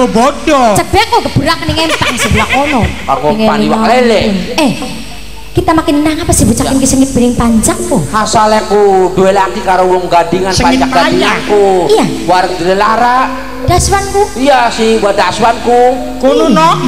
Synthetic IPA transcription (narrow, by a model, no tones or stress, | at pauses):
obod͡ʒɔt͡ʃək̚bakokəb̥əɾakəniŋɛmt̪ansibulakonɔkakuŋeaniwalelɛɛh | kit̪amakɪninaŋapasibut͡ʃakɪnkisəŋɡɪt̪̚b̥eɾɪŋpaɲt͡ʃak̚ːuhasalɛkuduelaɡikaɾowɔŋɡadiŋanpaɲt͡ʃak̚dajakuija | waɾəŋd̪əɾɛlaɾaʔ | d̥aswankuijasiwadaswanku | konunɔ